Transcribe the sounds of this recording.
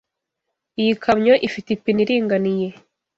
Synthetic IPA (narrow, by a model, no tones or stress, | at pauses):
ijikʰamɲoʔifitipiniɾiːŋɡanije̞